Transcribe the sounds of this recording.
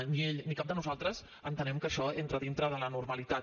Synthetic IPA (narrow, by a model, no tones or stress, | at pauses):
nieʎnikap̚d̪ənuzalˠt̪ɾəz | ənt̪ənɛmkəʃɔent̪ɾəðint̪ɾəðələnurməlit̪a